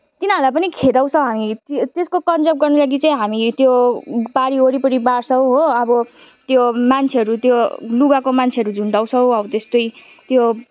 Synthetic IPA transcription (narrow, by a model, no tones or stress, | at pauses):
t̪inalap̬ʌnikʰed̪aw̃t͡sʰʌ̃ɦamit̪t̪eskokʌnd͡zʌp̚ɡʌrnulaɡit͡saĩɦamit̪jobaɾioɾipʌɾibarsʌwɦoʌbʌ | t̪jomant͡sʰeɦʌɾut̪joluɡakomant͡sʰeʌɾud͡zʱuɳʈaw̃t͡sʰʌ̃w̃ʌʌt̪est̪oj | t̪jo